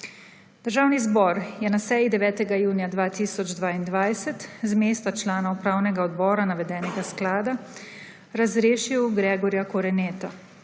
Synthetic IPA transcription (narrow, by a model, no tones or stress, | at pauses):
d̪̥əɾʒaːwnizbɔɾjɛnasɛːjid̪ɛʋɛːt̪ɛɡajuːnijad̪ʋaːt̪iːsɔd͡ʒd̪ʋaːind̪ʋajsɛt̪zmeːst̪at͡ʃlaːnaupɾaːwnɛɡaɔd̪bɔːɾanaʋɛd̪ɛːnɛɡasklaːd̪a | ɾazɾeːʃiwɡɾɛːɡɔɾjakɔɾɛnɛːt̪a